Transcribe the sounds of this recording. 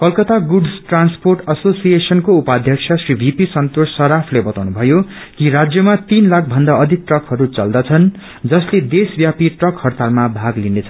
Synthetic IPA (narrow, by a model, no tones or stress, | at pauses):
kʌlkʌt̪aɡuɖsʈransporʈʌsosijesʌnkoupad̪ʱjʌksʰʌsribʱipisʌnt̪osːʌɾapʰlebʌt̪awnubʱʌjo | kiɾad͡zjʌmat̪inlakʰbʱʌnd̪aʌd̪ʱik̚ʈrʌkhʌɾut͡sʌld̪ʌt͡sʰʌn | d͡zʌsled̪esbjapiʈrʌkhʌrt̪almabʱaɡlinet͡sʰʌn